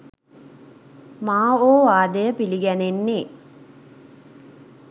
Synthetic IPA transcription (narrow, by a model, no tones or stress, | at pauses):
maːoːʋaːd̪əjəpiliɡænenːe